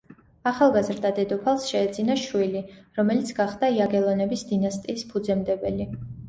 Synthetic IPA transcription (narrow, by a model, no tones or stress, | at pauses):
aχalˠɡazɾd̪ad̪ɛd̪ɔpʰalˠsʃɛːd̪zinaʃwiliɾɔmɛlit̪sʰɡaχd̪aiaɡɛlˠɔnɛbisd̪inast̪ʼiːspʰud̪zɛmd̪ɛbɛli